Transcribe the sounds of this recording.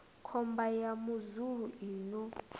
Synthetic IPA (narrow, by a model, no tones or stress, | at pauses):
kʰɔmbajamuzuɺuiːnɔ